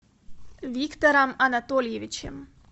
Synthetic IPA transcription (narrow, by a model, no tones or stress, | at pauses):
vʲikt̪oɾamanat̪olʲjeʋit͡ʃḛm